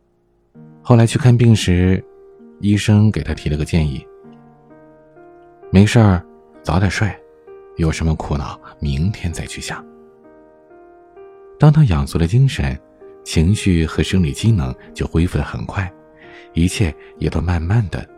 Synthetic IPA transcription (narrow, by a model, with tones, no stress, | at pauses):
xo˥˩ʊla˧˥ɪt͡ɕʰy˥˧kʰa˥˧npi˥˩ŋʂɻ̩˧˥ | i˥ʂɤ˥ŋke˨˩ɪt̪ʰa˥t̪ʰi˧˥lə˧ɡə˧t͡ɕjɛ˥˧ni˥˩ | me˧˥ɪʂə˞˥˩ | t͡sɑ˧˥ʊt̪jə˨˩ʂwa˥˩ɪ | jo˨˩ʊʂə˧˥nmə˧kʰu˧˥nɑ̰˨˩˦ʊmi˧˥ŋt̪ʰjɛ˥nt͡sa˥˧ɪt͡ɕʰy˥˩ɕjɑ˥˩˦ŋ | t̪ɑ˥ŋt̪ʰa˥jɑ˨˩ŋsu˧˥ɾə˧t͡ɕi˥ŋʂə˧˥˦n | t͡ɕʰi˧˥ŋɕy˥˩xɤ˧˥ʂɤ˥ŋli˨˩t͡ɕi˥nɤ˧˥ŋt͡ɕjo˥˩ʊxwe˥ɪfu˥d̪ə˩xə̰˨˩nkʰwa˥˩ɪ | i˧˥t͡ɕʰjɛ˥˩jɛ̰˨˩t̪o˥ʊma˥˧nma˥˩nd̪ə̰˩